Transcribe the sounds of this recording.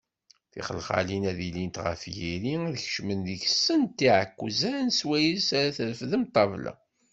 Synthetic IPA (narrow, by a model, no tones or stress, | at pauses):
θḭχəlχa̰linæðilint̪ʁə̰fjiɾiðəçə̥ʃmənðəçsənt̪ːiʕəkʷːzænswæjilsæɾæθəɾəfðəmt̪ˤːɑvlæ̰